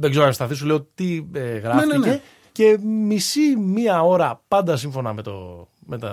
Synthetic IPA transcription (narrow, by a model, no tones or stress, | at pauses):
ðeɡze̞ɾost̪ɐθisuleot̪ieɣɾɐfnice | ce̞misimiɐo̞ɾɐpɐnd̪ɐs̬iɱfo̞nɐme̞t̪o̰ | met̪ɐ